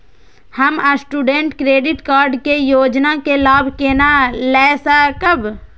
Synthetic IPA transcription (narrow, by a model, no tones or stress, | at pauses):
həməsʈuːɖẽɳʈkɾeːɖɪʈkaːɾɖkejoːd͡ʒnakelaːbʱkeːnalɛːsakəb